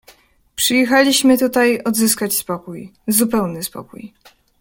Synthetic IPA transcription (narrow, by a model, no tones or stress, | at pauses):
pʂɘjɛxalʲiɕmɘt̪ut̪ajɔd̪zɘskat͡ɕspɔkujzupɛwnɘspɔ̰kṵj